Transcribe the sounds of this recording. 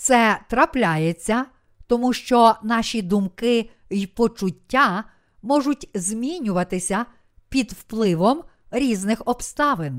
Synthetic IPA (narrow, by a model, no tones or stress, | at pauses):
t̪sɛt̪ɾɐplʲajet͡sʲːɐ | t̪ɔmuʃt͡ʃɔnɑʃʲid̪ʊmkɪ | jpɔt͡ʃʊtʲːa | mɔʒʊtʲzʲmʲinʲʊʋɐt̪ɪsʲɐ | pʲid̪wplˠɪʋɔm | ɾʲiznɪxɔbst̪ɑʋɪn